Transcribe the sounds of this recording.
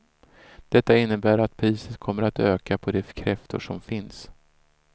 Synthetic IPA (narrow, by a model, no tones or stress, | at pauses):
d̪̥ɛt̪ːaɪnːəbæːɾat̪̚pʰɾiːsət̪kʰɔmːəɾat̪øːkapʰɔd̪ɛkʰɾɛft̪ʊ̰ʂɔmfɪns